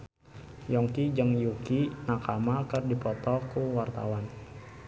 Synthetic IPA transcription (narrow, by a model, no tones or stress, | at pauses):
jɔŋkid͡ʒəŋjukinakamakərdipɔt̪ɔkuwart̪a̰wan